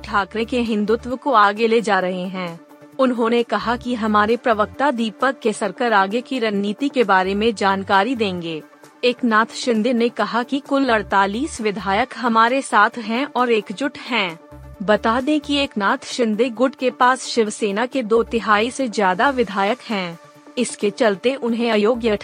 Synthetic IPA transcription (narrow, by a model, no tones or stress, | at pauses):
ʈʰaːkɾẽkeɦɪ̃nd̪ʊt̪wəkoaːɡeled͡ʒaːɾɐɦeɦɛ̃ː | ʊnɦõːnekɐɦakiɦɐmaːɾepɾɐʋək̚t̪ad̪iːpəkːesɐɾkəɾaːɡekiɾɐnːiːt̪ikebaːɾemẽd͡ʒaːnkaːɾid̪ẽːŋɡeː | eːknaːt̪ʰʃɪ̃nd̪enekɐɦakikʊlːɐɾt̪aːliːsʋɪd̪ʱaːjəkɦɐmaːɾesaːt̪ʰɦɛ̃ʔɔːɾeːkd͡ʒʊʈʰɦɛ̃ːbɐt̪aːd̪ẽkieːknaːt̪ʰʃɪ̃nd̪eɡʊʈkepaːsʃɪʋseːnaked̪oːt̪ɪɦaːisezjaːd̪aʋɪd̪ʱaːjəkɦɛ̃ː | ɪsket͡ʃɐlt̪eʔʊnɦẽɐjoːɡjəʈʰ